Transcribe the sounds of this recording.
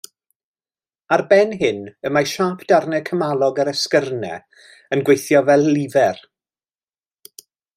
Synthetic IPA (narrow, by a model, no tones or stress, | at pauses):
arbɛnɦɪnəmajʃaːpʰd̥arnɛkʰəmalˠɔɡəɾɛskərnɛ̰ | ənɡwejθjɔvɛlˠːɪvɛr